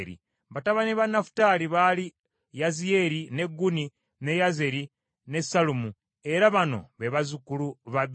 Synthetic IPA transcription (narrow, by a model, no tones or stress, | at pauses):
ɾḭ | βataβaniβanafu̥taliβali | jazie̞ɾine̞ɡːuni | ne̞jaze̞ɾi | ne̞salumu | e̞ɾaβano̞̰βeβazukuluβaβ